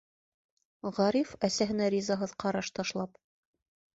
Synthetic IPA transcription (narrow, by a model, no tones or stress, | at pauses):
ʁɑɾifæsæɦɘ̆næɾʲizɑɦɤðqʰɑɾɑʃt̪ɑʃlˠɑp